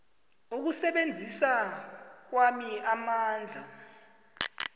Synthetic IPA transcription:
nok̬usɛɓend͡zʱisa | k̬wamiamaːnd͡ɮʱa

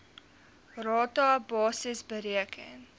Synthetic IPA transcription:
rɑːtɑbɑːsəsbəɾiəkʰəŋ

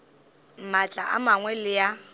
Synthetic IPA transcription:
m̩mat͡ɬʼaʔa̰maŋwɛlɪja

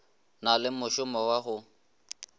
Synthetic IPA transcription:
nalɪmʊʃʊmɔwaɦʊ

